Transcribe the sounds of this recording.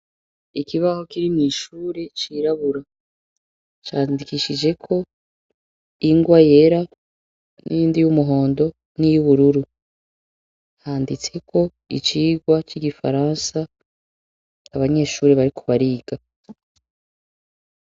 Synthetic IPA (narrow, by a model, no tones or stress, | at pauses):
ikiβaho̞kiɾiniʃuːɾe̞t͡ʃiːɾaβuɾa | t͡ʃaːndikiʃid͡ʒe̞kʰo̞ | iŋɡwaje̞ɾa | nḭjiːndijumuɦo̞ːndo̞ | nijuβuɾuɾu | haːndit͡se̞kʰo̞ | ḭt͡ʃiːɡwat͡ʃiɡifa̰ɾansa | βaɲe̞ːʃuːɾeβaɾikʰoβaɾiːɡ̥a